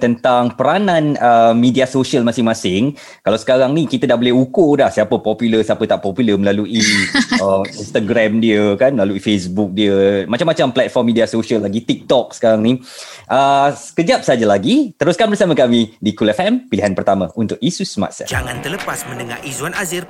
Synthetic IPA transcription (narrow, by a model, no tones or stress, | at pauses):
t̪ənt̪aŋpəɾanãnəmmidiasoʃiəlmasɪŋmãsɪŋ | kalawsə̥kaɾaŋnikit̪ədahbolɛɦukudahsiapəpɔpuləsiapət̪aʔpɔpuləməlaluʔiəinst̪aɡɾamdiəkanməlaluifesbuk̚diəmat͡ʃamːat͡ʃamplɛt̪̚fɔrmidiasoʃiəlːaɡit̪ik̚t̪ɔk̚sə̥kaɾaŋniʔəsə̥kəd͡ʒap̚səd͡ʒalaɡit̪əɾʊskanbərsaməkamidikulɛfɛmpiliɦanpərt̪amə̃ʔunt̪ʊk̚isusəma̰t̪̚sɛ̰td͡ʒaŋant̪ələpasmənəŋaɾizuanazɪr